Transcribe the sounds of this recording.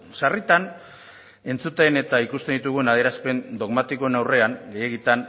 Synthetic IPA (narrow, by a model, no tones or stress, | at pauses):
sarit̪an | e̞nt͡sut̪ene̞t̪aikust̪end̪it̪uɣ̞ue̞naðeɾaspe̞nd̪o̞ɣmat̪iko̞enawre̞aŋɡe̞je̞ɣit̪an